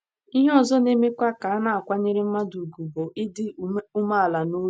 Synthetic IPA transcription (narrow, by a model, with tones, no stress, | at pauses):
i˦ɦɔ˨zɔ˦ne˦me˦kʷa˦ka˨a˦na˨a˨kʷa˦ɲe˦ɾɪ˦m̩˦ma˦du˨ɡu˨bo˨ʔɪ˦dɪ˦u˦ma˦a˨la˨no˦